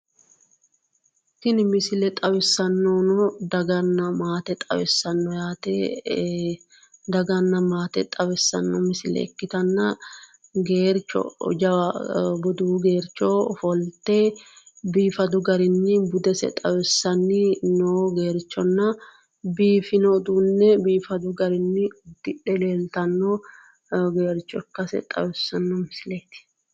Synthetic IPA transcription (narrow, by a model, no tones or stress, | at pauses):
kɪnɪmɪsɪlɛt̪ʼɐwɪsːɐnːonɔd̪ɐɡɐnːɐmaːt̪ɛt̪ʼɐ̰wɪsːɐnːɔjaːt̪ɛ | d̪ɐɡɐnːɐmaːt̪ɛ̰t̪ʼɐwɪsːɐ̰nːɔmɪsɪlɛ̰ɛ̰kːɪt̪ɐnːɐ | ɡeːɾt͡ʃːɔ̰d͡ʒɐɐbɔd̪uːɡe̞ːɾt͡ʃːoːfɔlt̪ːeːbiːfɐd̪ʊɡɐɾɪnːɪbʊd̪ɛsɛ̰t̪ʼɐwɛsːɐnːɪnoːɡe̞ːɾt͡ʃːɔnːɐ | biːfɪnod̪uːnːɛbiːfɐd̪ʊɡɐɾɪnːɪd̪̥ɪᶑɛle̞ːlt̪ɐnːɔ | ɡeːɾt͡ʃːɔɪkːɐsɛ̰t̪ʼɐ̰wɛsːɐnːɔmɪsɪleːt̪ɪ̥